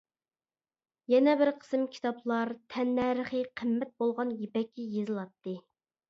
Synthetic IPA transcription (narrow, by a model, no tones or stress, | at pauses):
jɛnɛbɪɾqʰə̥sɨmkʲʰi̥t̪ɑplˠɑɾt̪ʰɛnːɛɾəχəqʰəmːɛt̪̚bolˠʁɑnjepɛkʲʰːijezɨlˠɑt̪ːɨ